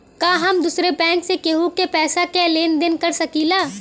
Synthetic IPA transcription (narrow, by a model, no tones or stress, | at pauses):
kaːɦɐmd̪uːsɾepɛ̃ːŋksekeɦukepɛːsakɛleːnd̪ɪnkɐɾsɐkilaː